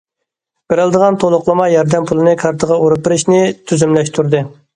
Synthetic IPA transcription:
b̥ɪɾɪlˠd̪əʁɑnt̪ʰolˠʊqlˠɨmɑjɑɾd̪ɛmpʰulˠɨnɨkʰɑɾt̪ʰəʁɑuɾup̚bɪɾɪʃnɪt̪ʰyzymlɛʃt̪ʰuɾd̪ɨ

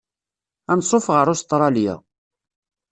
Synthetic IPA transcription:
ænsˤofʁəɾˤʊst̪ɾˤɑljæ̰

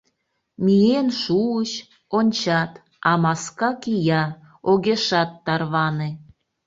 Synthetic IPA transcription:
mijenʃuəɕ | onʲt͡ɕɑt̪ | ɑmɑskɑkijɑ | oɣeʃɑt̪ːɑrβɑne

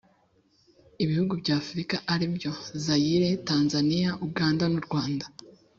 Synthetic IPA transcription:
iβihuɡubɟaːfuɾikaʔaɾibjo̞zajiɾe̞taːnzanijaʔuɡaːndanuɾɡwaːnda

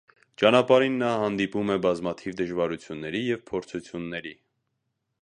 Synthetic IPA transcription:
t͡ʃɑnɑpɑɾinːɑhɑnd̪ipumɛbɑzmɑt̪ʰivd̪əʒvɑɾut͡sʰjunːɛɾijɛvpʰɔɾt͡sʰut͡sʰjunːɛɾi

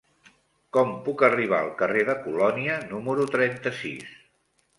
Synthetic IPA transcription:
kɔmpukəriβ̞aəlˠkəreðəkulɔniənuməɾut̪ɾɛnt̪əsḭs

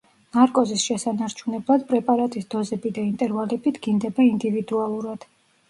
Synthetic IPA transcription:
naɾkʼɔzisʃɛsanaɾt͡ʃʰunɛblˠad̪pʼɾɛpʼaɾat̪ʼisd̪̥ɔzɛbid̪aint̪ʼɛɾvalɛbit̪ʰɡ̥ind̪ɛbaind̪ivid̪ualˠuɾad̪̥

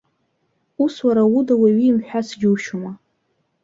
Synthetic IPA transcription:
uswaɾawudawaɥiːmħʷᶣasɡʲɪwʃuma

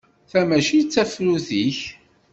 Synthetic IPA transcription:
θæmæʃit͡sːæfɾuθiç

